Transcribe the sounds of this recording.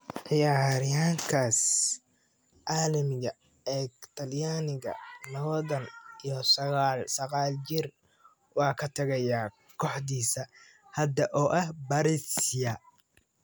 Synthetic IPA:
ʔɪjaːɾɪjaːŋkʰaːs | ʔaːlɐmɪɣɐ | ɛːɡt̪ʰɐljaːnɪɣɐ̰nɐwðɐnijɔsɐɣaːlsɐqaːlt͡ʃɪr | wɑːkʰɐt̪ʰɐɣɐjaː | kʰɔħd̪iːsɐ | hɐd̪ɐʔɔːʔɐhbɐɾɪsɪjɐ

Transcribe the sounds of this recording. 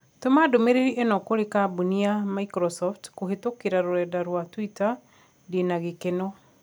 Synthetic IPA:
tomadomeɾeɾiʔenɔkoɾekabuniamaikɾɔsɔftkohetokeɾaɾoɾɛdaɾwatwita | denaɣekenɔ

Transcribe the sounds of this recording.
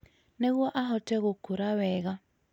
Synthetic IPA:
neɣwɔʔaɦɔtɛɣokoɾawɛɣa

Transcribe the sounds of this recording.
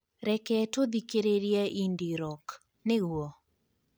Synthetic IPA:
ɾɛkɛtod̪ikeɾeɾjaʔindiɾɔk | nɪɡwɔ

